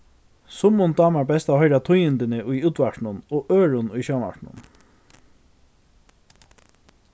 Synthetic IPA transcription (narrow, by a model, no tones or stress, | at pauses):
sʊmʊnd̪ɑːmaɹbɛst̪ahɔjɾat̪ʰʊjɪnt̪ɪnɪʔʊjuːt̪ʋaʈnʊnoːʔøːɹʊnʊjɕana̰ɹʈnʊ̰n